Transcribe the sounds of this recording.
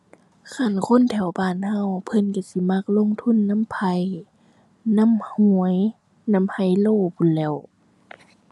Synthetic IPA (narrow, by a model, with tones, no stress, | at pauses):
kʰa˧˨nkʰo˧˥˨nt̪ʰɛ˧˩wbaː˧˩˨nha˧˥˨wpʰɤ˧˥˨nka˧˩si˧˦ma˧˨k̚lo˧˥˨ŋt̪ʰu˧˥˨nːa˧˥˨mpʰa˧˦j | na˧˥˨mhu˧˩əj | na˧˥˨mha˧˩jloː˧˨bu˧˨nlɛː˧˨w